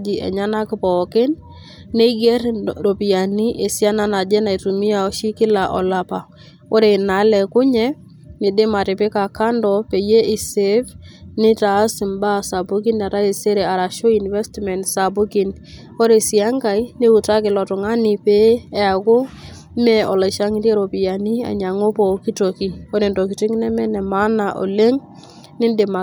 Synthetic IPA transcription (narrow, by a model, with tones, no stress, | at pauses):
d͡ʒi˨ɛ̰˨ɲa˦na˦kɪ˨pɔ˨kɪ˦nː | e˦ɡɛ˦ɾɾo˨pi˨a˨ni˦ʔe˨sja˦na˦na˨d͡ʒɛ˦na˨i˨tu˨mi˦a˨ɔ˦ʃi˦kɪ˦la˨ʔɔ̰˨la˨pa˨ | o˦ɾe˨na˨˦lɛ˨kʊ˦ɲɛ˦ | nɪ˨dɪ˦ma˨ɾɪ˨pɪ˦ka˨ka˦ndɔ˨pe˨je˦ʔɪ˨se˦vnɪ˦ta˨˦sɪ˨mba˦sa˨bu˦k̬i˦na˨ɾa˦e˨se˦ɾe˨a˨ɾa˨ʃo˦i˨nvɛ˦stmɛ˨ntsa˨bu˦ki˦n | o˦ɾe˨si˨a˦ŋɡa˨i˦ni˦u˨ta˦kɪ˨lɔ˨tʊ˨ŋa˦nɪ˨pe˦ɛ˨a˨ko˦ | mɛ˨ɔ˨le˨ʃa˦ŋɪ˦nde˦ɾo˨pi˨ja˨ni˦a̰˨ɲa˨ŋo˦pɔ˨ki˦to˨ki˨o˦ɾe˨ndɔ˨ki˨ti˦ŋ˦nɛ˦mɛ˦nɛ˨ma˦na˨ʔo̰˨le˦ŋ | nɪ˦nde˨ma˨